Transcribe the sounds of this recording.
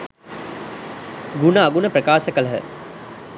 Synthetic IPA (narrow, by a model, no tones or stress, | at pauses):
ɡunəːɡunəprəkaːsəkələɦə̰